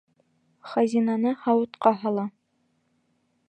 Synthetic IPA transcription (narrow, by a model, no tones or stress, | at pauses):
χæzʲinɑnɤhɑwɤ̆t̪qɑɦɑlˠɑ